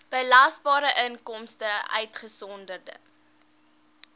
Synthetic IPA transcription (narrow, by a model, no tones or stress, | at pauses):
b̥əlɑsbɑːɾəʔənkɔmstəʔœ̰ɥtχəsɔndərdə̰